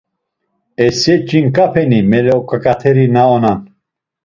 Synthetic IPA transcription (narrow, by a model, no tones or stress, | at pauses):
ɛsɛt͡ʃʼinkʼapʰɛnimɛlɛɔkʼakʼat̪ʰɛɾinaɔnan